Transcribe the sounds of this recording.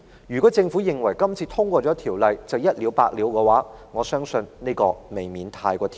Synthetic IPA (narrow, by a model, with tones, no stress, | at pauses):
jyː˨˩kɔː˨˥t͡sɪ˧ŋfuː˨˥jɪ˨˩ŋwɐ˨˩jkɐ˥mt͡sʰiː˧t̪ʰʊ˥ŋkʷɔː˧t͡ʃɔː˨˥t̪ʰiː˨˩wlɐ˨jt͡sɐ˨wjɐ˥t̚liː˨˧wpa̰ː˧k̚li˨˧wkɛː˧waː˨˥ŋɔː˨˧sœː˥ŋsɵ˧nne˥jkɔː˧me˨˩jmiː˨˥nt̪ʰaː˧jkʷɔː˧t̪ʰ